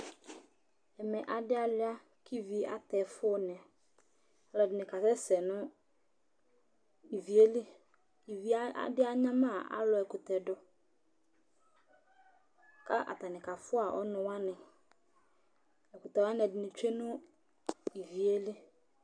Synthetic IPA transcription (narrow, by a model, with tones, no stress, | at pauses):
ɛ˨mɛ˨ʔa˨dɪ˦a˨lɪ˦a˦ | kʰi˦vi˦a̰˨t̪ɛ˨fʊ˦nɛ̃˨ | a˨lɔ˨dɪ˨nɪ˨ka˨sɛ˦sɛ˨nʊ̃˦ | i˨vi˨e˦lɪ˦ | i˨vi˦a˦a̰˦dɪ˦a˦ɲã˦mã˦˨a̰˨˦lɔ˨ɛ˨kʊ˨t̪ɛ˨dɔ˨ | ka˦ʔa̰˨t̪a˨nɪ˨ka˨fʊ˦a˨ʔɔ˦nʊ̃˨wa˦nɪ̃˨ | ɛ˨kʊ˨t̪ɛ˨wa˦n˨ɛ˨dɪ˨nɪ̃˨t͡ʃᶣe˦nʊ̃˦ | i˨vi˨e˦lɪ˦